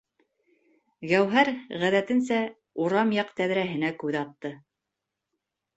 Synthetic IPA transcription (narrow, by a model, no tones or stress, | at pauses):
ɡæwɦæɾʁæðæt̪ɘ̆nsæ | uɾɑmjɑqt̪æðɾæɦɘ̆nækʉðɑt̪ːɤ